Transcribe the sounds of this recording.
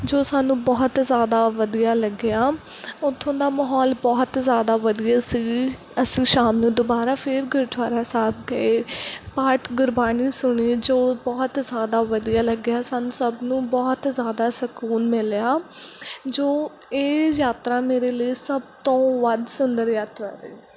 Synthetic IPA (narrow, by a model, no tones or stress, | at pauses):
d͡ʒoːsaːnũːbɔːt̪zjaːd̪aːʋəd̪ijaːləɡɪjaː | ʊt̪ʰːõːd̪aːməɦɔːlbɔːt̪zjaːd̪aːʋəd̪ijaːsĩː | əsĩːʃaːmnũːd̪oːbaːɾaːpʰɪɾɡʊɾd̪ʰʱwaːɾaːsaːb̚ɡəeːpaːʈɡʊɾbaːniːsʊɽiːd͡ʒoːbɔːt̪zjaːd̪aːʋəd̪ijaːləɡɪjaːsaːnũːsəbnũːbɔːt̪zjaːd̪aːsəkuːnmɪljaː | d͡ʒoː | eːjaːt̪ɾaːmeːɾeːləiːsəb̚t̪õːʋəd̪sʊnd̪əɾjaːt̪ɾaːɾḛː